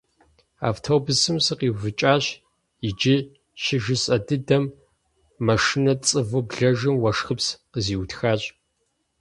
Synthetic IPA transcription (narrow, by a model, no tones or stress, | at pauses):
a̰ːftʰoːbɨsɨmsɨqiːwvɨt͡ʃʼaːɕ | ɪd͡ʒɪ | ʃɪʒɨsʼɐdɨdɐmː | ɐʂɨnɐt͡sʼɨvɨbɮɐʒɨmwɐʂxɨpsqəziːwtxaːɕʼ